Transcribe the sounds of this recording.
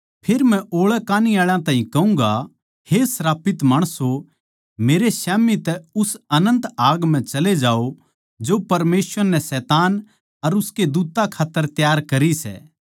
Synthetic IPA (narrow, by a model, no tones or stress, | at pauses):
pʰeɾmɛ̃ʔoːɭɛkaːniaːɭãt̪ãːɦĩkɐũːŋɡa | hesɾaːpɪt̪maːɽ̃əso | meːɾesɛːmit̪ɛʊsɐnə̃nt̪aːɡm̤ɛ̃t͡ʃɐled͡ʒaːo | d͡ʒopɐɾmeːsəɾnɛsɛːt̪aːn | ɐɾʊsked̪uːt̪akʰaːt̪ːəɾt̪jaːɾkɐɾisɛ̰ː